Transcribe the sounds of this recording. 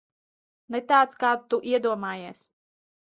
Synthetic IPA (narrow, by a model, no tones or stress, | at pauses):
nɛt̪aːt̪skaːt̪ːuʔiɛd̪uɔmaːjeɛːs